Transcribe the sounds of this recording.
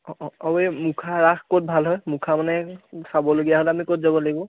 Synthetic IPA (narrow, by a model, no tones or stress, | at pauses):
ɔʔɔɔbemukʰaɹaxkot̚bʱalɦɔjmukʰamanɛsabɔloɡijaɦolɛamikotzabɔlaɡibɔ̃